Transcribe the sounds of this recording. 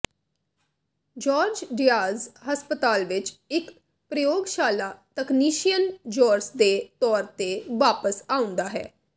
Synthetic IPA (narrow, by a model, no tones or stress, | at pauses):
d͡ʒɔːɾd͡ʒɖɪjaːzhəspət̪aːlʋɪt͡ʃɪk | pɾəjoːɡʃaːlaːt̪əkniːʃijənd͡ʒɔːɾsd̪eːt̪ɔːɾt̪eːʋaːpəsaːʊ̃nd̪aːɦɛ̰ː